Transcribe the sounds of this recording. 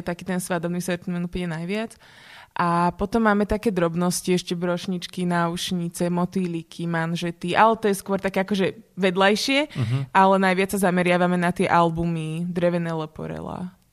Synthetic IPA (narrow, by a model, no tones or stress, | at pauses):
t̪akiːt̪ɛnsʋad̪ɔbnisɛɾt̪imɛnuːpl̩ɲɛnajʋɪat͡s | ʔapɔt̪ɔmːaːmɛt̪akɛːd̪ɾɔbnɔsciɛʃcɛbɾɔʃɲit͡ʃkinauʃɲit͡sɛmɔt̪ilikʰimanʒɛt̪iʔalɛt̪ɔjɛskʊɔɾt̪akɛːakɔʒɛʋɛd̪lajʃɪɛʔalɛnajʋɪat͡ssazamɛɾɪaʋamɛnat̪ɪɛʔalbumid̪ɾɛʋɛnɛːlɛpɔ̰ɾɛ̰la̰ː